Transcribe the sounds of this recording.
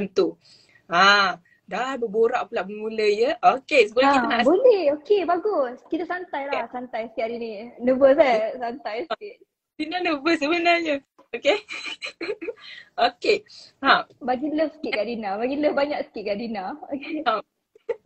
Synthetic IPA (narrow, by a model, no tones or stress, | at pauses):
nt̪u | a | dabəboɾaʔpəlaʔbəŋuləjəʔokesəbolakk̪abolɛhokebaɡʊskit̪əsant̪ajlahsant̪ajsə̥t̪iaɾinĩnəbəsɛsant̪ajsəkiʔ̚ | dinanəbəsəbənarɲə | oke | okehabaɡiləfsə̥kitʔkaʔdinabaɡiləfbaɲak̚sə̥kiʔ̚kaʔdinaoke